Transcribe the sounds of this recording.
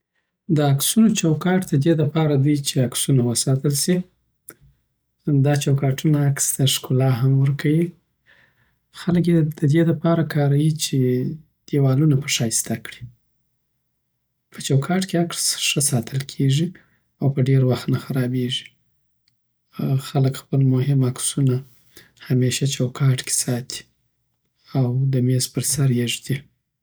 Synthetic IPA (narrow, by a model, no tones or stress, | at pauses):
d̪əaksunot͡ʃawkɑʈd̪əd̪ed̪əpɑɾad̪it͡ʃeaksunawəsɑt̪əlsi | d̪ɑt͡ʃawkɑʈunaːkst̪aʂkulɑɦamwəɾkʰawi | xalk̬ed̪əd̪ed̪əpɑɾakɑɾawit͡ʃe | d̪̥ewɑlunapəʂɑist̪akɽi̥ | pʰət͡ʃawkʰɑʈkeakɽsʂəsɑt̪ʰəlkʰeʐi | awpəɖeɾwaxt̪naxaɾɑbeʐi̥ | xaləkxpəlmohɪmaksuna | hameʃat͡ʃawkʰɑʈke̥sɑt̪ʰi̥ | awd̪əmespəɾsaɾjeʐd̪i